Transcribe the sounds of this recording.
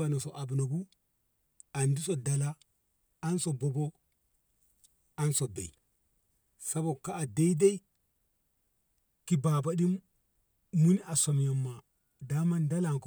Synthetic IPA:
a˨no˨so˨ʔa˨bno˨ɡu˦ | a˨ndi˦so˨da˨laː˦ | nso˨bo˨bo˦ | a˦nso˨bḛ˨i˨ | sa˦bo˨kaː˦˨de˦i˦de˦i˦ | ki˨ba˨ba˨di˦mː | u˦ni˦ʔa˨so˨m˨ja˨mːa˨ | da˦ma˦nda˦la˨ŋk

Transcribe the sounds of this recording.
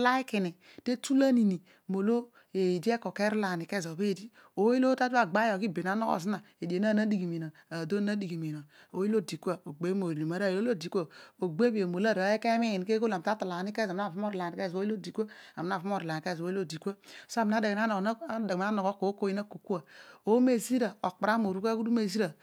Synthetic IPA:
la˦i˦ki˨ni˨ | te˦tu˦la˦ni˨ni˨ | mo˨lo˦ | e˨di˦e˦ko˨ke˦ɾi˦la˨ni˨ke˦˨zo˨be˦˨di˦ | o˨˦i˦lo˦ta˦ta˦˨ɡ͡ba˦o˨ki˦˨be˨n˨a˨˦nɔ˦ko̰˨zi˦na˨ | e˨de˨na˦˨na˦di˨ɡi˨mi˨no˨ | a˨do˦na˦di˨ɡi˨mi˨no˨o˨˦i˦o˦˨di˨kʷa˦˨o˨ɡ͡be˨˦mo˨li˨a˨ɾa˦˨i˨lo˦lo˦˨di˨ku˦a˦˨o˨ɡ͡be˦bi˨e˨mo˨la˦˨ɾe˦ke˦mi˦i˨n˨ke˦ko˦la˨m˨ta˦ta˨la˨ni˦ke˦zm˦a˦˨fu˦m˦o˦ɾla˨ni˨ke˦˨zo˨˦i˦o˦˨di˨kʷa˦a˨m˦n˦a˦˨fu˦m˦o˦ɾi˨la˨ke˦˨zo˨˦i˦lo˦˨di˨ka˦so˦˨mi˨n˦a˦da˨ɡn˦a˦no˨n˦da˨m˦a˦no˨ko˦ko˨˦ko˦ji˦na˦ko˨ku˦a˨o˦me˦˨zi˦ɾa˨o˨k͡pa˨ɾa˦mo˨ɾu˦ka˦ku˦du˦me˨zi˦ɾa˨

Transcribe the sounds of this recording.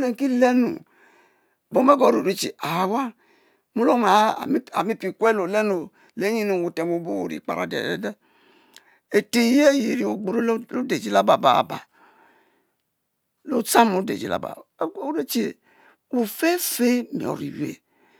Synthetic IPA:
ne˨ŋ˨ki˦le˦nṵ˨ | bo˨me˦ɡo˨˦ɾo˨ɾe˦t͡ʃḛ˨a˨wa˦ | mu˦lo˦ma̰˨˦˨a̰˨mi˦pi˨kwe˦lo˨le˦no˨ | le˨˦ɲi˦nu˨wu˨te˨mo˨bo˦wo̰˨ɾḭ˨k͡pa̰˨ɾa̰˦dḛ˨ɛ̰˦de˦ | e˨te˨˦je˦ji˨ɾi˨o˨ɡ͡bo˨ɾo˦lo˦de˨d͡ʒi˦la˦ba˨ba̰˨ba̰˨ | lo˦t͡sa˦mo˨˦dḛ˨d͡ʒḭ˦la̰˨ba̰˨˦o˦ɾe˦t͡ʃe˨ | wu˨fe˦fe˦mḭ˨o̰˨ɾḭ˨wḛ˦

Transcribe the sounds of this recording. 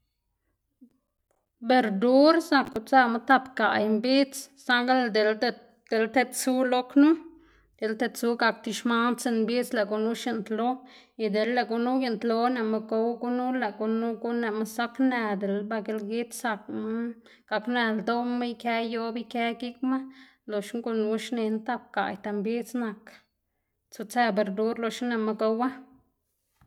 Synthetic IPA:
be˨ɾd̪u˦ɾsa˧kːu˧t͡sa˦˧ma˦t̪a˧pka̰˨jmbi˦t͡ssa˧ɡa˦ld̪e˨l | d̪̥e˨lt̪e˧t͡su˦lo˦knu˦ | d̪̥e˨lt̪e˧t͡su˦ɡa˧k̚t̪i˧ʃma˦t͡se˧nmbi˦t͡sla˨ɡu˧nu˦ʃi˧nt̪lo˦i˧d̪e˨lːa˨ɡu˧nu˦je˧nt̪lo˧ne˨ma˧ɡo˧wɡu˦nu˦la˨ɡu˧nu˦ɡu˦ne˧˨ma˧sa˦kne˧d̪e˨lba˧ɡe˧lɡi˦t̪sa˧kma˦ | ɡ̥a˧kne˧ld̪o˦mːa˦jke˦jo˧˦bi˦ke˧˦ɡi˦kma˦ | lo˧ʃŋɡu˧nu˧ʃne˧nt̪a˦˧p̚ka̰˨jt̪a˧mbi˦t͡sna˨k | t͡su˧t͡se˧be˨ɾd̪u˦ɾlo˧ʃne˧ma˧ɡo˧˦wa˦

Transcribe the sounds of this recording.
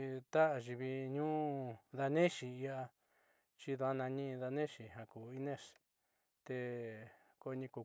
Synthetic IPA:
t̪a˦ʔa˧ʒi˨βi˧ɲũ˦˧ða˧nẽ˦ʃi˨i˧a˧ | t͡ʃi˧ðu˧a˦nã˧ɲĩ˦˧ða˧nẽ˦ʃi˨ɦã˨kuː˨i˦nẽ˦˨ʂ | t̪e˧ | ko˧ɲĩ˧ku˧

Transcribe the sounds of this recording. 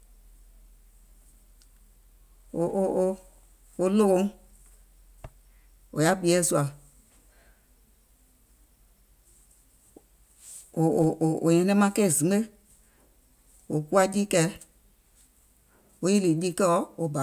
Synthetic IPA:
o˨ʔo˨o˧ | o˧lo˦kõ˧˦ | o̰˨ja˦bi˨˦ɛ˦˨su˧a˨ | o˨ʔo˨ɲɛ̃˧nɛ̃˦mã˦kɛ˦˨zĩ˨˦e˦ | o˨ku˦a˦di˦kɛ˧˦ | o˨˦i˦li˨di˦kɛ˦ɔ˦o˧ba˨

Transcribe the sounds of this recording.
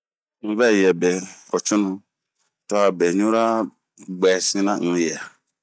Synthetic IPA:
ŋ̩̃˨vɛ˦˨jɛ˨be˨kɔ˨t͡ʃu˦nũ˦ | tɔ˦a˨be˨ɲũ˦ɾa˦ | ɡ͡bɛ˨sĩ˦nã˦ŋũ˨˦jɛ˨a˨

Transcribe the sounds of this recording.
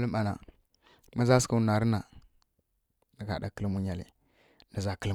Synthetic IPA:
lə˦ma˨na̰˨ | ma˦za˦ska˦u˨na˨ɾə˦na˨ | nə˨ka̰˨da˨kə˦lmu˦ɲa˨lḭ˨ | nə˨za˨kə˦l

